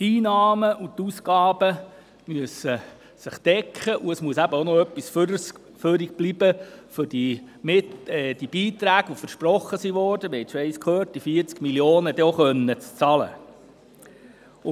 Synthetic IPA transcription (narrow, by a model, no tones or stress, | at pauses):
tiːnɑːməʔut̪uskɑːb̥ə | myəsə | sɪχd̥ɛkχəʔuəsmuəsæbəonoœpːisf | føɾik̚b̥lib̥əfʏɾd̥imɪɛːd̥ib̥iːt̪ɾæːɡ̥əʋofəɾʃprɔχːəsiʋɔɾdəmɪhɛtʃoɛɪskʰøːt̚d̥ifiːɾt͡skmiljoːnəd̥̪ɛoχœnːət͡st͡sɑlə̰